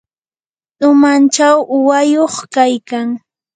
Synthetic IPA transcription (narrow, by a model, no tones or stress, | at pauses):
ʊmant͡ʃawʔʊwajoχkajkaŋ